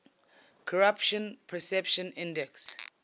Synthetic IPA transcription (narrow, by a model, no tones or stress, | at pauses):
kʰɔɹapʃɔ̃npʰɛsɛpʃɔ̃nĩndɛks